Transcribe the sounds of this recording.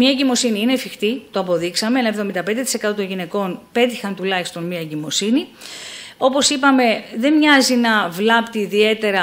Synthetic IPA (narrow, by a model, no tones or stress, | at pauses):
mɲɐeɟimo̞siniine̞fixt̪it̪o̞ɐpo̞ðiksɐmeenɐe̞vðo̞mind̪ɐpend̪et̪i̥se̞kɐt̪o̞t̪onʝine̞ko̞npe̞t̪ixɐnt̪ulɐçist̪o̞nmiɐeɟimo̞sini | o̞po̞sipɐme̞ðe̞mɲɐzinɐvlɐpt̪iːðie̞t̪e̞ɾɐ